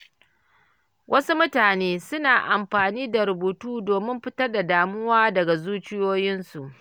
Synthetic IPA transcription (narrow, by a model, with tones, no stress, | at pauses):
wʔɐ˦su˦mʊ˦taː˨neː˦sʊ˦naː˨ʔa˨mɸaː˨niː˦da˨ɾʊ˨buː˨tuː˦doː˨mɪ˦mɸɪ˦tɐ˦rda˨daː˨mʊ˦waː˦dɐ˨ɡa˨zuː˦t͡ʃɪ˦joː˦jɪ˦nsu˨ʔ